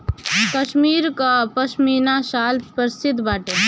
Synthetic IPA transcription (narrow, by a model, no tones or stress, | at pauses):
kəʃmiːɾkapəʃmiːnaʃaːlpəɾsɪd̪baːʈe